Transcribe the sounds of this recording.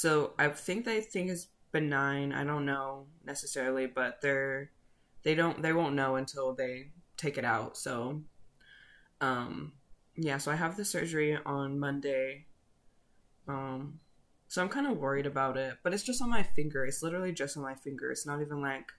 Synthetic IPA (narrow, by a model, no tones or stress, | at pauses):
soʊʔaɪθɪ̃ŋk̚ðeɪθɪ̃ŋkhɨz | b̥ɨ̃nːãɪ̃na̰ɪɾõʊ̃nːoʊnɛsɨsɛɹl̩ˠibʌt̪̚ðə˞ | ðeɪɾõʊ̃nðeɪwõʊ̃nːoʊɨ̃ntʰɪlˠðeɪtʰeɪkɨɾaʊtsoʊ | ʌ̃m | jæsoʊaɪəvðɨsɜ˞d͡ʒə˞iə̃nmʌ̃ndeɪ | ʌ̃m | soʊãɪ̃mkʰãɪ̃ndəwɜ˞iɾɨbaʊɾɪt̚b̥ʌɾɨtsd̥ʒ̥ʌstn̩maɪfɪ̃ŋɡə˞ɨtslɪɾə˞l̩ˠid͡ʒʌstn̩maɪfɪ̃ŋɡə̰˞ɨ̰tsnəɾivə̃nlaɪk